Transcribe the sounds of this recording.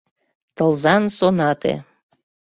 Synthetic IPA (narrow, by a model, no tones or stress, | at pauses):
t̪ɤlzɑnsonɑt̪ḛ